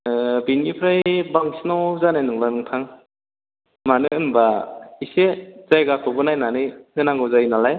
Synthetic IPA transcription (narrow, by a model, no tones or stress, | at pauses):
binipʰɾajbaŋsinɔzanajnɯŋbanɯŋtʰaŋ | manɯɯnbaisez̥ajɡakʰɔbɯnajnanɯjhɯnaŋɡɔzajnalaj